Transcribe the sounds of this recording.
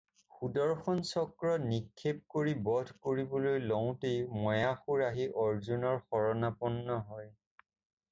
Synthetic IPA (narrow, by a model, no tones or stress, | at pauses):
xudɔɹxɔnsɔkɹɔnikʰːep̚koɹibɔdʱkoɹibɔlojlɔw̃tejmɔjaxuɹaɦiʔɔɹzunɔɹxɔɹɔnapɔnːɔɦɔj